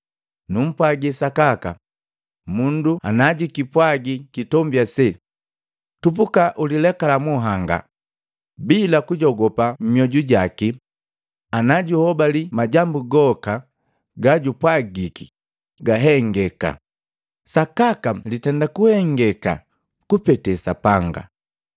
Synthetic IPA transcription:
num̩pwaɡisakaka̰ | mundua̰naɟikipwaɡikitɔmbjasɛ | tupukaʔulilɛkalamuɦaŋɡa̰ | bilakuɟɔɡɔpam̩mjɔɟuɟaki | anaɟuhɔbalimaɟambuɡɔka | ɡaɟupwaɡiki̥ | ɡaɦɛŋɡɛka̰ | sakakalitɛndakuhɛŋɡɛka̰ | kupɛtɛsapaŋɡa̰

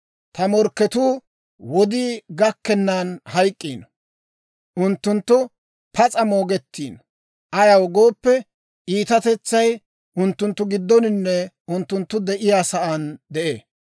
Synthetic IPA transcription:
t̪ɐmɔɾkːɛt̪uː | wɔd̪iːɡɐkːɛnːaːnhɐjkʼːiːnɔ̥ | ʔʊnt̪ːʊnt̪ːʊ | pʰɐt͡sʼɐmoːɡɛt̪ːiːnɔ | ʔɐjɐwɡo̞ːpːɛ | ʔiːt̪ɐt̪ɛt͡sːɐj | ʔʊnt̪ːʊnt̪ːʊɡɪd̪ːɔnɪnːɛ | ʊnt̪ːʊnt̪ːʊd̪ɛʔɪjaːsɐʔand̪ɛʔḛː

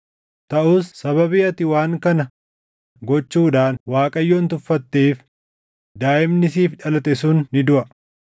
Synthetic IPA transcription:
t̪ɐʔuːsːɐβɐbɪɐt̪ɪwaːŋkɐnɐ | ɡɔt͡ʃːuːᶑ̪aːnwaːkʼɐjːoːnt̪ʊfːɐt̪ːeːf | d̪aːʔɪmnɪsiːfᶑɐlɐt̪ɛsuːnːɪd̪ʊʔɐ

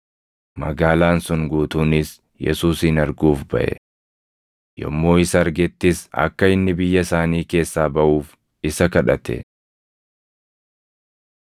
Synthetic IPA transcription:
mɐ̰ɡaːlaːnsʊŋɡuːt̪uːnɪs | jɛ̰suːsɪnɐɾɡuːfbɐ̰ʔɛ̰ | jɔ̰mːo̞ːɪsɐɐɾɡɛt̪ːɪsɐ̰kːɐɪnːɪbɪjːɐsaːniːke̞ːsːaːbɐʔuːf | ɪsɐkɐᶑɐt̪ʰɛ̰

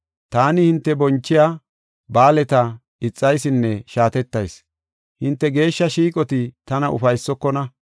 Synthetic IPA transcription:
t̪aːnɪhɪnt̪ːɛbɔnt͡ʃːɪjaː | baːlɛt̪ɐ | ɪt͡sʼːɐjsɪnːɛʃaːt̪ɛt̪ːɐjs | hɪnt̪ːɛɡe̞ːʃːɐʃiːkʼɔt̪ɪt̪ɐnɐʔʊ̰fɐjsːɔkːɔnɐ

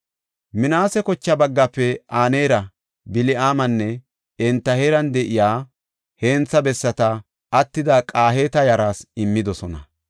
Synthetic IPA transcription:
mɪnaːsɛkɔt͡ʃːɐbɐɡːɐpːɛʔaːneːɾɐ | bɪlɪʔaːmɐnːɛ | ɛnt̪ːɐheːɾɐnd̪ɛʔɪjaː | heːnt͡sːɐbɛsːɐt̪ɐ | ʔːt̪ːɪd̪ɐkʼaːɦeːt̪ɐjɐɾaːsɪmːɪd̪ɔsɔnɐ̰

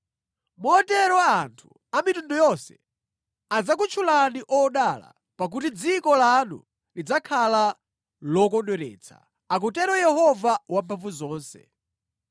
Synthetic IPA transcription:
mɔːtɛɾɔwaantʰu̥ | amitundɔjɔsɛ̰ | ad͡zak̬ut͡ʃʰulaniʔɔɗala̰ | pak̬ut̬id͡zikɔlanṵ | lid͡zakʰala | lɔkɔnɗɛɾɛ̰ːt͡sʰa̰ | ak̬utɛɾɔjɛhɔvawampʰaɱvuzɔːnsɛ̰

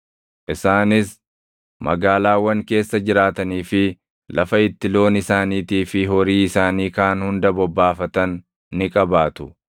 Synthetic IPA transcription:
ʔɪsaːnɪs | mɐ̰ɡaːlaːwɐŋke̞ːsːɐd͡ʒɪɾaːt̪ɐniːfɪ | lɐfɐɪt̪ːɪlo̞ːnɪsaːniːt̪iːfɪɦɔɾiːɪsaːniːkaːnhʊnd̪ɐbɔbːaːfɐt̪ɐnː | ɪkʼɐbaːt̪ʊ

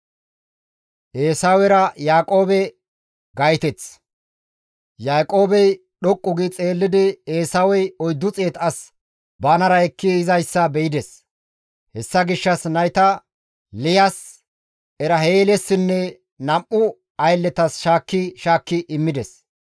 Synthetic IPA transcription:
ʔeːsawɛɾɐjaːkʼo̞ːbɛ | ɡɐjt̪ɛt͡s | jaːkʼo̞ːbɛj | ɗɔkʼːʊɡɪt͡sʼe̞ːlːɪd̪ɪe̞ːsawɛjɔjd̪ːʊt͡sʼeːt̪ɐs | bɐːnɐɾɐɛkːɪɪzɐjsːɐbɛjɪd̪ɛs | hɛsːɐɡɪʃːɐsnɐjt̪ɐ | lɪjɐs | ɛɾɐɦeːlɛsːɪnːɛ | nɐmʔːʊ | ɐjlːɛt̪ɐsʃaːkːɪʃaːkːɪʔɪmːɪd̪ɛs

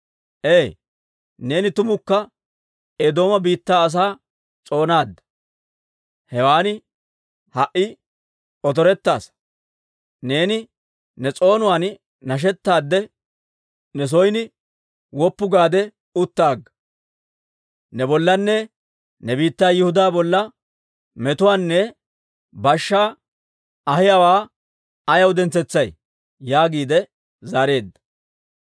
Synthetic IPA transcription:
ʔeː | ne̞ːnɪt̪ʊmʊkːɐ | ed̪o̞ːmɐbiːt̪ːaːɐs̬aː | t͡sʼo̞ːnaːd̪ːɐ̥ | hɛwaːnɪ | hɐʔɪ | ɔt̪̬ɔɾɛt̪ːa̰ːs | ne̞ːnɪ | nɛt͡sʼo̞ːnʊwaːn | nɐʃ̬ɛt̪ːaːd̪ːɛ | nɛs̬ɔjnɪ | wɔpːʊɡaːd̪ɛ | ʊt̪ːaːɡɐ | nɛbɔlːɐnːɛ | nɛbiːt̪ːaːjɪhʊd̪aːbɔlːɐ | mɛt̪ʊwaːnːɛ | bɐʃːaː | ɐhɪjawaː | ɐjɐwd̪ɛnt͡sɛt͡sːɐj | jaːɡiːd̪ɛ | zaːɾe̞ːd̪ːɐ̥

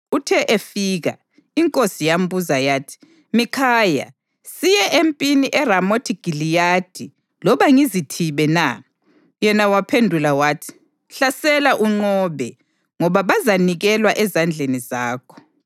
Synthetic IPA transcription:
utʰɛʔefiɣa̰ | iŋkʼosijambuzajaːtʰi̥ | mikʰaja̰ | sijɛʔempʼiniʔɛramotʰiɡ̥ʱilijad̥ʱi | lɔβaŋizitʰiβɛna | jɛnawapʰendʱulawaːtʰi̥ | ɬasɛlaʔuŋ͡ǃɔβɛ | ŋɔβaβazaniɣɛlwaʔɛzand͡ɮʱenizaːkʰɔ̥

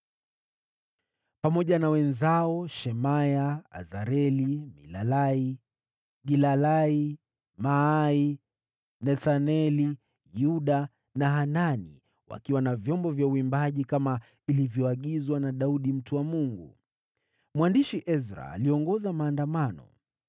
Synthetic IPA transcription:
pamɔʄanawɛnzaɔʃɛmajaa̰zaɾɛlimḭlalai | ɡilalai | mai | nɛθanɛli | juɗa | naɦananḭ | wa̰kiwanavjɔmbɔvjauimbaʄikama | ilivjɔaɠizwanaɗauɗim̩tuwamuŋɡṵ | mwandiʃiʔɛzɾa̰ːliɔŋɡɔzamaːndamanɔ̰

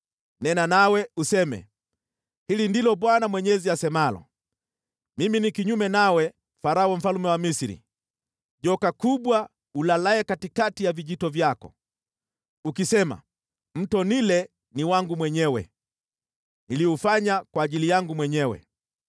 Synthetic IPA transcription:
nɛnanawɛusɛmɛ̰ | hilindilɔɓwanamwɛɲɛziasɛmalɔ̰ | miminikiɲumɛnawɛ | faɾaɔm̩falumɛwamisiɾḭ | ʄɔkakuɓwa | ulalaɛkatikatijaviʄitɔvjakɔ̰ | ukisɛma̰ | m̩tɔnilɛ | niwaŋɡumwɛɲɛwɛ̰ | niliufaɲakwaːʄilijaŋɡumwɛɲɛwɛ̰

